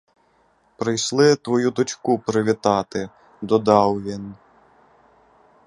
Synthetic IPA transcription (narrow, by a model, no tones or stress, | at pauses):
pɾɪjslˠɪt̪ʋɔjud̪ɔt͡ʃkupɾɪʋʲit̪ɑt̪ɪ | d̪ɔd̪ɑwʋʲin